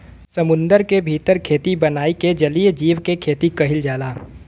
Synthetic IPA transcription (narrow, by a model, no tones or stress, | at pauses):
səmʊ̃nd̪əɾkebʱiːt̪əɾkʰeːt̪ibɐnaːiked͡ʒɐliːd͡ʒiːʋkekʰeːt̪ikɐɦɪld͡ʒaːlaː